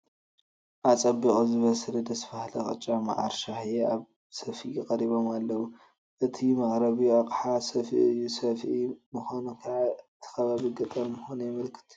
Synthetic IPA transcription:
ʔat͡sʼɐbːikʼuzɨβɐsɨlɨd̪ɐsfahlɐxʼɨ̰t͡ʃʼːama̰ʕa̰ɾʃaħjeaβ | sɐfiʔkʼɐɾiβo̞malːɐwu | ʔɨt̪ʰimaʔɾɐβijaqʼħasɐfiʔɨjːusɐfʔimɨxonkʰɐʕaɨt̪ʰi̥xɐβaβiɡɐt̪ʼɐɾmɨxonujɛmɨlkʰɨ̥t̪

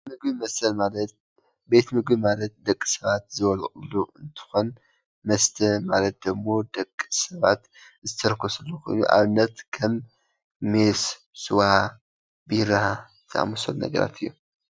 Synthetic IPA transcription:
mɨɡbimɐsɐlmalɐt̪̚ | be̞t̪mɨɡbimalɐt̪̚d̪ɐkʼːi̥sɐβat̪zɨβɐlkʼɨluɨnt̪ʰɨ̥xo̞n | mɐst̪ʰɐmalɐt̪̚d̪ɨmːo̞d̪ɐkʼːsɐβat̪ | zɨt̪ʰɐɾkʰːosɨlːokʰo̞̰jnṵʔa̰βɨnːɐt̪kʰɐmː | es | sɨwa | bɨɾahazt̪ʰɐʔa̰mosolnɐ̰ɡɐ̰ɾa̰t̪ʰɨjːu

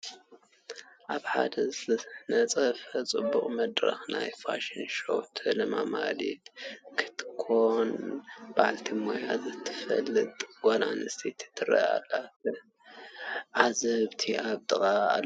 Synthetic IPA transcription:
ʔaβħad̪ɐznɐt͡sʼɐfɐt͡sʼɨbːuχʼmɐd̪ɾɐ̰xnajfaʃinʃot̪ʰɨlɨmamalit̪kʰɨ̥t̪ʰkʰːonb̥aʕalt̪ʰimojazɨt̪ʰːɨ̥fɐ̰lːɨt̪ʼɡ̥ʷala̰nɨst̪ʰit̪ʰi̥t̪ʰːɨɾɐ̰alːatɐ | ʕazɐβt̪ʰiʔaβt̪ɨχʼaa̰lː

